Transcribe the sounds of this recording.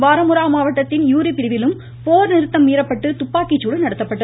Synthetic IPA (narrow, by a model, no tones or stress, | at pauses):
ʋaːɾɐmɯɾaːmaːʋɐʈːɐt̪ːɪnjuːɾipɪɾɪʋɪlɯm | poːɾnɪɾɯt̪ːɐmːiːɾɐpːɐʈːɯt̪ʊpːaːkːɪt͡ʃːuːɽɯnɐɽɐt̪ːɐpːɐʈːɐ